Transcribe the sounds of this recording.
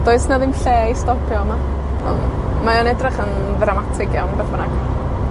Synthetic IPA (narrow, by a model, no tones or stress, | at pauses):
d̥oːɨsnaðɪmɬɛːistɔpʰjɔma | ɔ̰nmajɔnɛdrɪχən | ðramatʰɪɡjɔmbɛθbənaɡ